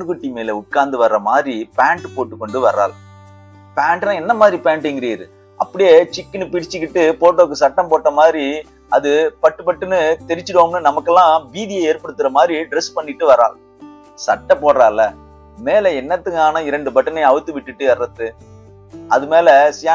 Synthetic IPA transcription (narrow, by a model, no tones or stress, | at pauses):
nɯkɯʈːimeːlɛʊkːaːnd̪ɯʋɐɾɾɐmaːd̪ɾipaːɳʈɯpoːʈːɯkːɔɳɖɯʋɐɾa̰ːl | paːɳʈlãːɛnːɐmaːðɾipaːɳʈːŋɡɪɾeːɾɯ̰ | ʔɐ̰pːɐɽɪjet͡ʃɪkːɪnɯpɪɾɪt͡ʃːɯkːɪʈːɯpoːʈːoːkːɯsɐʈːɐmpoːʈːɐmaːdɾi | ɐðɯpɐʈːɯpɐʈːɯnɯt̪ɛɾɪt͡ʃːɯɽɯʋaːmnːɯnɐmɐkːɛlːãːbiːðijɐeːɾpɐɽɯt̪ːɯɾɐmaːd̪ɾiɖɪɾɛspɐɳːɪʈːɯʋɐɾa̰ːl | sɐʈːɐ̃poːɽɾaːlːɐ | meːlɛɛnːɐt̪ːɯŋɡaːnɐɪɾɐɳɖɯpɐʈːɐnɐɪɐʋɯt̪ːɯʋɪʈːɯʈːɯɛɾːɐt̪ːɯ | ɐðɯmeːlɛsɪjaː